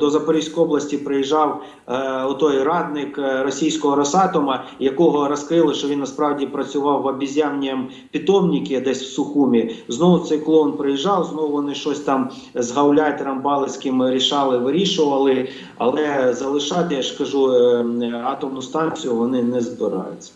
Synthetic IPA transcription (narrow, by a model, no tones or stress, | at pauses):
d̪ɔzɐpɔɾʲiwsʲkɔjɔblˠɐsʲtʲipɾɪjiʒɑw | ɔt̪ɔjrɑd̪̚nɪkɾɔsʲijsʲkɔɦɔɾɔsɑt̪ɔmɐjɐkɔɦɔɾɐskɾɪlˠɪʃt͡ʃɔʋinːɐspɾɑwdʲipɾɐt͡sʲʊʋɑwːɐbʲizʲamnʲiɐm | pʲit̪ɔmnʲikʲɪd̪ɛsʲw̥sʊxumʲiznɔʋʊt̪sɛjklˠɔnpɾɪjiʒɑwznɔʋʊʋɔnɪʃt͡ʃɔsʲt̪ɑm | zɦɐwlʲɑjt̪ɪɾɐmbɑlˠɪsʲkɪmɾʲiʃɑlˠɪʋɪɾʲiʃʊʋɐlˠɪ | ɐ̰lˠɛzɐlˠɪʃɑt̪ɪjaʒkɐʒu | ɑt̪ɔmnʊst̪ɑnʲt͡sʲijʊʋɔnɪnɛzbɪɾɑ̰jʊ̰t͡sʲt͡sʲːɐ̥